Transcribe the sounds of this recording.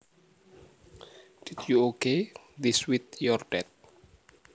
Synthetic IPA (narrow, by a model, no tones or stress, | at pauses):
d̪̥itjuokediswit̪̚jɔrɖ̥ɛt̪̚